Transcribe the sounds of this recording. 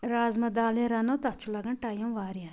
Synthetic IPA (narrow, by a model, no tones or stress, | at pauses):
ɾaːzmɐd̪aːleɾɐnɐt̪ɐt͡ʃʰulɐɡɐɳʈaːjõʋaːɾja